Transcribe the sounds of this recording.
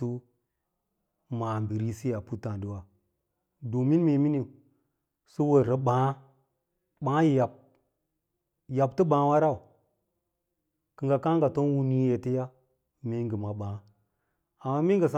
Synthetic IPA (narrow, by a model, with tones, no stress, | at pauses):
u˦ | ma˨mbi˨ɾi˦si˦ja˨pu˦ta˨ndi˨wa˨ | do˨mi˦n˦me˨mi˦ni˨ | su˦wə˨ɾə˨ɓãː˨˦ | ɓa˨˦ji˨ja˨p̚ | ja˨ptə˦bã˨˦wa˦ɾa˦u˨ | ki˨ŋɡa˨ka˦ŋɡa˨to˦n˦wu˦ni˦je˨ti˦ja˦ | me˦ŋɡə˨ma˨ɓãː˨˦ | a˨mːa˦mi˦ŋɡə˨s̬a˦